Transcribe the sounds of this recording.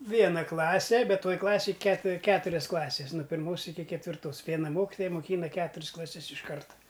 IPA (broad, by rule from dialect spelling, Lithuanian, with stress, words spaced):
ˈʋʲiɛnɐ ˈklˠɑːsʲɛ ˈbʲɛt ˈtoːj ˈklˠɑːsʲeːj kʲɛt ˈkʲæːtʊrʲɛs ˈklˠɑːsʲɛs nʊ pʲɪrˈmoːs ˈɪkʲɪ kʲɛtʲʋʲɪrˈtoːs ˈʋʲiɛnɐ ˈmoːkʲɪtoːjɛ moːˈkʲiːnɐ ˈkʲæːtʊrʲs klˠɐˈsʲɛs ɪʃ ˈkɐrtɐ